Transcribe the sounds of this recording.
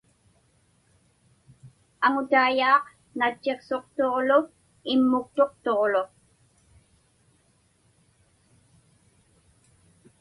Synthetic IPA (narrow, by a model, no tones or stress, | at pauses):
aŋʊt̪aːjɑːq | nat͡ʃːe̞qso̞qt̪oʁlʊ | ɪmːʊk̚t̪o̞qt̪oʁlo